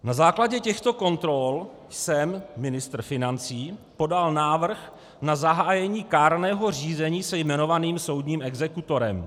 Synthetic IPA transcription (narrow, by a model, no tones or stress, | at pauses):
nazaːklaɟɛcɛxt̪o̞ko̞nt̪ɾol | sɛmːɪnɪst̪rfɪnant͡siːpo̞dalnaːvr̩x | nazaɦaːjɛɲiːkaːɾnɛːɦo̞riːzɛɲiːsɛjmɛno̞vaniːmso̞wdɲiːmɛɡzɛkut̪o̞ɾɛm